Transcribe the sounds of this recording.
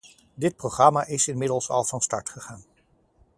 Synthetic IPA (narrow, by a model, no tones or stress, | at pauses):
dɪt̚prowχrɑmaʔɪsɪnmɪdəlˠsɑ̰lˠvɑnstɑɹtχəχaːn